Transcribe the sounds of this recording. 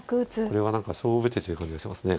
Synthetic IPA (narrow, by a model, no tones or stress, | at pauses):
kɯɯt͡sɨkoɾe̞β̞anãŋkaɕo̞ːbɯ̟t̪et̪ojiɯ̟kãɲd͡ʑiɡaɕt̪emasɨne̞